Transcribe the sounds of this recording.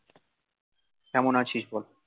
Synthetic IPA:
kɛmonat͡ɕʰiʃbɔlo

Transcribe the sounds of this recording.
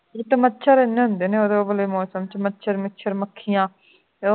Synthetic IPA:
eːt̪əmətːʃʰəɾɪnːeːɦʊnd̪eːneːoːd̪eoːbəleːmɔːsəmt͡ʃmətːʃʰəɾmɪtːʃʰəɾməkʰːijãː

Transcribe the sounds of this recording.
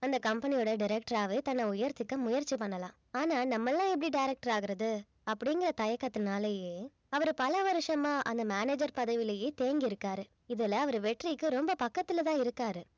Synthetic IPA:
ɐnd̪ɐkɐmpɐnɪjɔːɽɐɖɪɾɛk̚ʈɐɾaːʋɯt̪ɐnːɐʊjɐɾt̪ɪkːɐmʊjɐɾt͡ʃːipɐɳːɐlãː | aːnaːnɐmːɐlːãːɛp̬ːɐɽiɖɐɪɾɛk̚ʈɐɾaːɣɪɾɐðɯ | ɐpːɐɽɪŋɡɪɾɐt̪ɐjɐkːɐt̪ːɯnaːlejeː | ɐʋɐɾɯpɐlɐʋɐɾɯʂɐmãːʔɐ̰nd̪ɐmaːneːd͡ʒɐɾpɐðɐʋɪlɐjeːt̪eːŋɡɪɪɾɯkːaːɾɯ | ɪðɛlɐɐʋɐɾɯʋɛʈrikːɯɾɔmbɐpɐkːɐt̪ːɪlɐt̪ãːɪɾɯkːaːɾɯ

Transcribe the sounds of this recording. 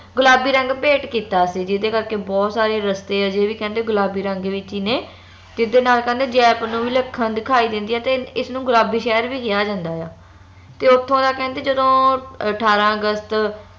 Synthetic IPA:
ɡʊlaːbiːɾə̃ŋɡpeːʈkiːt̪aːsiːd͡ʒɪd̪eːkəɾkeːbɔːt̪saːɾeːɾəst̪eːaːd͡ʒeːʋiːkɛ̃ːnd̪eːɡʊlaːbiːɾə̃ŋɡʋɪt͡ʃiːneː | t̪ɪd̪eːnaːlkɛ̃ːnd̪eːd͡ʒɛːpnũːʋiːləkʰːənd̪ɪkʰaːiːd̪ɪ̃nd̪iːɛːt̪eːɪsnũːɡʊlaːbiːʃɛːɾʋiːkɪjaːd͡ʒãːnd̪aːjaː | t̪eːʊt̪ʰːõːd̪aːkɛ̃ːnd̪eːd͡ʒəd̪õːəʈʰaːɾãːəɡəst̪

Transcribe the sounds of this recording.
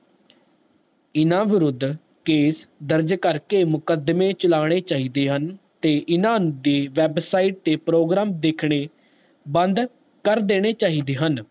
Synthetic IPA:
ɪnãːʋɪɾʊd̪ː | keːsd̪əɾd͡ʒkəɾkeːmʊkəd̪mẽːt͡ʃəlaːɽ̃eːt͡ʃaːɦiːd̪eːɦən | t̪eːʔɪnãːnũːd̪iːʋɛːbsaːiːʈ̚t̪eːpɾoːɡɾaːmd̪ekʰɽ̃eː | bənd̪ | kəɾd̪eːɽ̃eːt͡ʃaːɦiːd̪eːɦən

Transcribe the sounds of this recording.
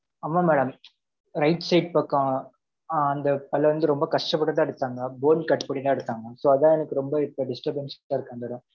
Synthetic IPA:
ɐmːaːmɛːɽɐm | ɾɐɪʈsɐɪʈ̚paːkːãː | ɐnd̪ɐpɐlːɐʋɐnd̪ɯɾɔmbɐkɐʂʈɐpːɐɽːɐt̪ãːɛɽɯt̪ːaːŋɡɐboːnkɐʈːpɐɽit̪ãːɛɽɯt̪ːaːŋɡɐsoːɐðãɛnɐkːɯɾɔmbɐɪpːoɖɪsʈɐɾbnsɪ̥kʈːaːɪɾɯkːaːnd̪ɐɽɐ̃

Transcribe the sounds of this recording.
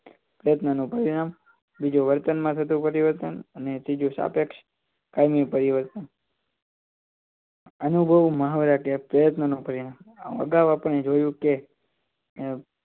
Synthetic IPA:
pɾəjət̪nənũpəɾinam | bid͡ʒuʋəɾt̪ənmãt̪ʰət̪̬ũpəɾiʋəɾt̪ənənesid͡ʒũsa̰pekʃ | kajmipəɾiʋəɾt̪ən | ənubʱəʋmaɦʋɾakepɾəjət̪nənũpəɾinamã̰ə̰ɡaʋapəɳned͡ʒojũke

